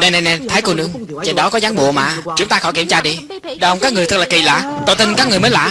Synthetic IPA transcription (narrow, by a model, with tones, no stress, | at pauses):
na˧jna˧jnɛ˧˩t̪ʰaː˨˦jku˧˩nɨ˨˦əŋ | t͡ɕə˧˩ɗɔ˨˦kɔ˨˦zaː˨˦ŋɓṵ˧˨əma̰ː˧˨t͡ɕɨ˨˦əŋt̪aː˧xɔ̰˧˩jki˧˩əmt͡ɕaː˧ɗi˧ | ɗə˨˧˩wŋ͡mkaː˦˥ŋɨ˨˩ət̪ʰɨ˨˩klaː˨˩ki˨˩la̰ː˧˨t̪o˧˩t̪i˧ŋkaː˦˥k̚ŋ˨˩jməː˨˦jla̰ː˧˨